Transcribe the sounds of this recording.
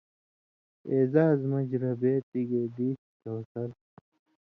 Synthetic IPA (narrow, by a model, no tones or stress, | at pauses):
eːzaːzmɐd͡ʑɾɐbeːt̪iɡed̪iːstoːsɐɾ